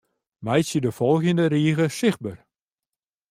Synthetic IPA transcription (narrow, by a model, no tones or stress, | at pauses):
mɛjsjədəfɔlˠɣjəndəɾiəɣəsɪx̚bər